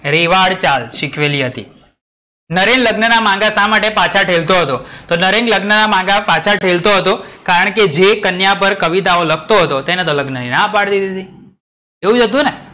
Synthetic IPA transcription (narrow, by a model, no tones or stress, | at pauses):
ɾeʋaɽt͡ʃalʃɪkʰʋeliɦət̪ḭ | nəɾenləɡnənamãŋɡasãmaʈepat͡ʃʰaʈʰelt̪oɦət̪ot̪onəɾenɡləɡnənamãŋɡapat͡ʃʰaʈʰelt̪oɦət̪okaɾəɳ̃ked͡ʒekənjapəɾkəʋit̪aoləkʰt̪oɦət̪ot̪enet̪oləɡnəninapaɽt̪id̪id̪i | eũd͡ʒəd̪ũne